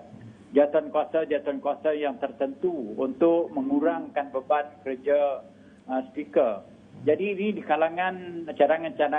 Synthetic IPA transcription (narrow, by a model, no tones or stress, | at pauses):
d͡ʒat̪ankuasad͡ʒat̪ankuasajaŋt̪ərt̪ənt̪uunt̪ʊʔ̚mə̃ŋuɾaŋkanbəban̚kəɾəd͡ʒa | əspikər | d͡ʒadiːnidikalaŋãnt͡ʃaɾaŋant͡ʃada